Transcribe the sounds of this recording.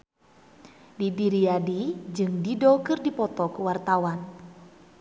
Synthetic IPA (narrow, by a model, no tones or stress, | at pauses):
didiɾiadid͡ʒɨŋdidɔkɨrdipɔt̪ɔkuwart̪awan